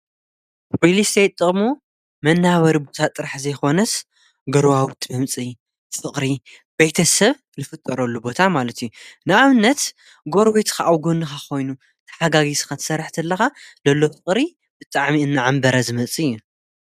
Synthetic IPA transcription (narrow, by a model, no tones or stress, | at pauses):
ɾilist̪ejt̪ʼːɨχʼmu | mɐnːaβɐɾibo̞t̪ʰat̪ʼɨɾaħzɐjko̞nɐs | ɡɐɾwawt̪ʰmɐmt͡sʼi | fɨχʼɾi | bejt̪ʰɐsɐβ | lɨfɨt̪ʼːɐɾɐlːubo̞t̪ʰamalɐt̪ʰijunɨaβɨnːɐt̪ | ɡo̞ɾwit̪kʰaʔawɡonɨxakʰo̞jnu | t̪ʰɐ̥ħaɡaɡisɨ̥xat̪ʰɨ̥sɐɾːħt̪ʰɐlːɐxazɐlːo̞fɨχʼɾi | b̥ɨt̪ʼaʕmiɨnːaʕambɐɾazɨmɐt͡sʼijːu